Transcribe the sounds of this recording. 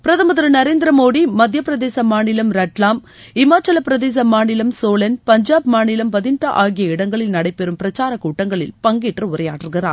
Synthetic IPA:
pɪɾɐðɐmɐðɪɾɯnɐɾeːnd̪ɪɾɐmoːɽimɐd̪ʱjɐpɪɾɐðeːsɐmaːɳɪlɐmɾɐʈlaːm | ɪmaːt͡ʃɐlɐpːɪɾɐðeːs̬ɐmaːɳɪlɐmsoːlɐnpɐɲd͡ʒaːbmaːnɪlɐmpɐðɪnʈːɐʔaːɣɪjɐɪɽɐŋɡɐɭɪlnɐɽɐɪpːɛɾɯmpɪɾɐt͡ʃːaːɾɐkuːʈːɐŋɡɐɭɪ̰lpɐŋɡiːʈrɯʊɾɐjaːʈrɯɣɪraː

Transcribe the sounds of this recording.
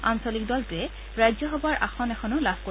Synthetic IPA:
ansolik̚dɔltʊɛ | ɹajzɔɦɔbaɹʔa̰xɔnɛxʰɔnʊlab̥ʱko

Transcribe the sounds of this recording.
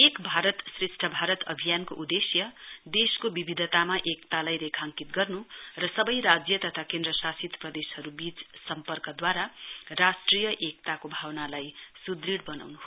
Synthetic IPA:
ekbʱaɾʌt̪sresʈʰʌbʱaɾʌt̪ʌbʱijankoʔud̪esjʌd̪eskobibid̪ʱʌt̪amaʔekt̪alajɾekʰaŋkit̪̚ɡʌrnurʌsʌbʌjɾad͡zjʌt̪ʌt̪ʰakẽnd̪ɾʌsasit̪prʌd̪eshʌɾubit͡ssʌmpʌrkʌd̪waɾarasʈrijʌʔekt̪akobʱawnalajsud̪riɽbʌna̰wnuɦo

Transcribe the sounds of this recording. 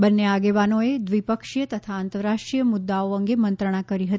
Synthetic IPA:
bənːeaɡeʋanoed̪ʋipəkʂjət̪ət̪ʰaant̪əɾːaʃʈɾijəmʊd̪ːaoəŋɡemənt̪ɾəɳ̃akəɾiɦət̪ii̥

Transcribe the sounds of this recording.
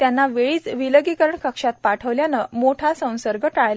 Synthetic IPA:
t̪janːaʋeɭiːt͡sʋiləɡikəɾəɳkəkʂat̪̚paʈʰəʋljanəmoʈʰasə̃w̃səɾɡəʈajla

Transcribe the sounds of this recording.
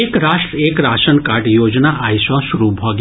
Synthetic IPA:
ekɾaʃʈɾəekɾaʃənkaʈjod͡ʒnaʔajsʋãʃuɾubʱaɡ

